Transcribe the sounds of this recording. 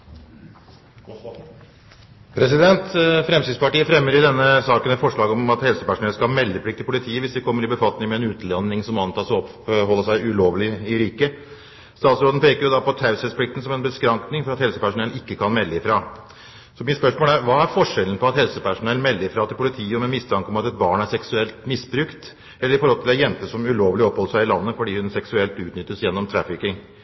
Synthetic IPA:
pʰɾɛs̬ɪd̪ɛnt̪fɾɛmsɪːd̪spɑʈiːəfɾɛmːəɾɪd̪ɛnːəsɑːkənmɛt̪fɔʂɭɑːɡɔmɑt̪hɛlsəpæʂʊnɛləskɑlmɛlːəpʰlɪk̚t̪ɪlpʰʊlɪt̪ʰiːəʋɪsd̪ɛkʰɔmːəɾɪbəfɑt̪nɪŋmɛɛnʉːt̪lɛnːɪŋsɔmɑnt̪ʰɑːsɔɔp | ɦɔlːəʂæɪʉloːʋlɪɪɾiːkə | st̪ɑːt̪sɾoːd̪n̩pʰeːkəɾjʊd̪ɑpɔt̪ʰɑʉsəspʰlɪk̚t̪n̩sɔmɛnbəskɾɑŋknɪŋfɔɾɑt̪hɛlsəpæʂʊnɛlɪkːəkʰɑnmɛlːəɪfɾɑː | sɔmɪt̪spœʂmoːləæɾʋɑːæɾfɔʂɛlən̩pʰɔɑt̪hɛlsəpʰæʂʊnɛlnmɛlːəɪfɾɑːt̪ʰɪlpʰʊlɪt̪ʰiːəɔmɛmɪst̪ʰɑŋkəɔmɑt̪ɛt̪̚bɑːɳæɾʂɛksʉɛlt̪mɪsbɾʉkt̪ | ɛlːɾɪfɔɾhɔlt̪ʰɪlæɾjɛnt̪əʂɔmʉloːʋlɪɔphɔlːəʂæɪɪlɑnːəfɔɖiːhʉnsɛksʉɛlt̪ʉːt̪nʏt̪ːəsjɛnːɔmt̪ʰɾɑfɪkɪŋ

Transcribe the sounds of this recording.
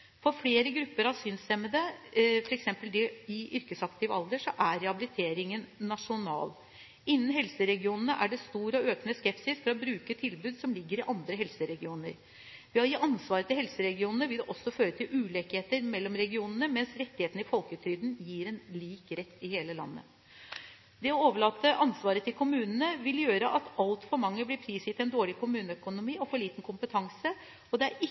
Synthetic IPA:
fɔɾfɽeːɾəɡɾʉpːəɾɑsʏnsɛmːəd̪əfɔɾɛksɛmpəld̪ɛɪʏɾkəsɑkt̪ʰɪʋɑld̪əʂɔʔæɾɛɑbɪlɪt̪ʰeːɾɪŋənnɑʂʊnɑ̰ːl | ɪnːənɦɛlsəɾɛɡɪuːnənəʔæɖɛst̪uːɾəɔøːknəskɛpsɪsfɔɾɔbɾʉːkət̪ʰɪlbʉːd̪sɔmlɪɡːəɾɪʔɑnd̪ɾəɦɛlsəɾɛɡɪuːnə̰ɾ | ʋɪɑjiːʔɑnsʋɑːɾət̪ʰɪlɦɛlsəɾɛɡɪuːnənəʋɪld̪ɛʔɔsːɔføːɾət̪ʰɪlʉːleːkheːt̪əɾmɛlːɔmɾɛɡɪuːnənəmɛnsɾɛt̪ːɪheːt̪n̩ɪfɔlkʉːt̪ʰɾʏːd̪n̩jiːɾɛnliːkɾɛt̪ːɪheːləlɑ̰nːə̰ | d̪ɛɔoːʋəɭɑːt̪ːəʔɑnsʋɑːɾət̪ʰɪlkʰʊmʉːnənəʋɪljøːɾəʔɑt̪ɑlt̪fɔɾmɑŋːəblɪpʰɾiːsjɪt̪ɛnd̪oːɭɪkʊmʉːnəœkʊnʊmiːɔfɔɭiːt̪n̩kʰʊmpət̪ʰɑŋsə | ɔd̪ɛæɾɪ

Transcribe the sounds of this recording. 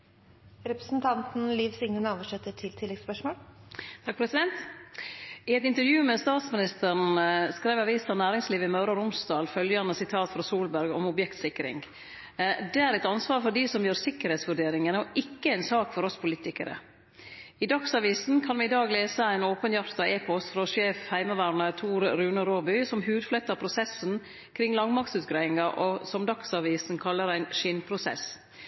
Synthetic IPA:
ɾɛpɾəsn̩t̪ʰɑnt̪n̩liːʋsɪŋnəɳoːʋəʂɛt̪ːəʈʰɪlt̪ʰɪlːɛɡspœʂmoːlt̪ʰɑk̚pʰɾɛsɪd̪ɛnt̪ | ɪɛt̪ɪnt̪əɾjʉːmɛst̪ɑːt̪smɪnɪst̪əɾɳ̩skɾæɪʋɑʋiːsɑnæːɾɪŋsliːʋɪmɑʉɾɑɾʊmsd̪ɑːlfœljɑnəsɪt̪ʰɑːt̪fɾɑsuːlbæɾɡɔmɔbjɛkt̪sɪkːɾɪ̰ŋ | d̪ɛæɾɛt̪ɑnsʋɑːɾfɔɾɖ̪isɔmjøːɾsɪkːəɾheːt̪sʋʉɖeːɾɪŋənəɔʔɪkːəæɪnsɑːkfɔɾɔspʰʊliːt̪ɪkəɾə̰ | ɪd̪ɑksɑʋiːsn̩kʰɑnʋɪɪd̪ɑːɡleːsəæɪnoːpənjɑɾt̪ɑeːpʰɔst̪fɾɑʂeːfhæɪməʋæːɾɳəɾt̪ʰuːɾɾʉːnəɾoːbʏsɔmɦʉːd̪flɛt̪ːəpʰɾʊsɛsn | kʰɾɪŋːlɑŋmɑk̚t̪sʉːt̪ɡɾæɪɪŋɑʔɔsɔmd̪ɑksɑʋiːsn̩kʰɑlːəɾæɪnʃɪnpʰɾʊsɛ̰s

